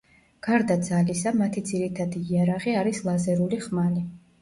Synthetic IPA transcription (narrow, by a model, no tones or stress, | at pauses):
ɡ̥aɾd̪ad̪zalisamat̪ʰid̪ziɾit̪ʰad̪iːaɾaʁiaɾislˠazɛɾuliχmali